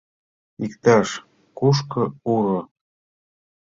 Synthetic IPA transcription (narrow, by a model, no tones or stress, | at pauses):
ikt̪ɑʃ | kuʃ̬kɤ̆uɾo